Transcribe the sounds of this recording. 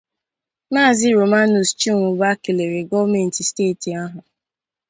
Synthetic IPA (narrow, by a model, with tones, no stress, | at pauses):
naː˦˨zɪ˦ɾo˨ma˦nu˨st͡ʃi˦ŋʷʊ˨ba˦kɪ˨le˨ɾe˨ɡɔ˦vme˨n̩˨ti˨steː˦˨ti˨a˦ɦʊ˨